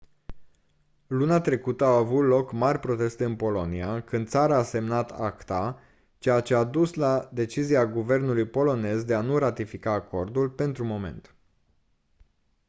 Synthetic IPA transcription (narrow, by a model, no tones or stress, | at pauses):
luneat̪ɾe̞kut̪əaːvut̪lo̞kmarʲpɾo̞t̪e̞st̪eɨnpo̞lo̞niakɨnd̪t̪saɾaːse̞mnat̪ʰakt̪a | t͡ʃe̞jat͡ʃe̞ad̪uslad̪e̞t͡ʃiziaɡuve̞rnulujpo̞lo̞ne̞zd̪e̞anuɾat̪ifikaːko̞rd̪ulpe̞nt̪ɾumo̞me̞̰nt̪